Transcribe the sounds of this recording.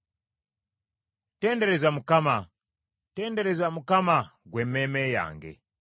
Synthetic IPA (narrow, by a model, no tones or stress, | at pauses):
tɛndeɾezamukama | tɛːndeɾezamukamaɡwememeja̰ːŋɡḛ